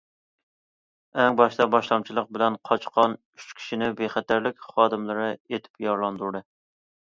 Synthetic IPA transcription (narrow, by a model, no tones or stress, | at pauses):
ɛŋbɑʃt̪ɑbɑʃlˠɑmt͡ʃʰilˠəq̚bɪlɛnqʰɑt͡ʃqʰɑn | yt͡ʃkʲʰi̥ʃinɪbeχæt̪ʰæɾlɪkʲχɑːd̪ɨmlˠɨɾɨet̪ʰɪ̥pjɑɾlˠɑnd̪uɾd̪ɨ